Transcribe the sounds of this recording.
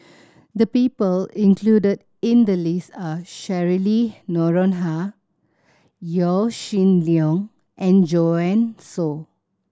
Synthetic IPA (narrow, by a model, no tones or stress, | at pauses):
d̪əpiːpəlĩnkʰludəd | ĩnd̪əlisaʃɛɹilinɔɹɔ̃nɦa | jɔʃĩnliɔ̃ŋ | ʔɛ̃nd͡ʒoɛ̃nso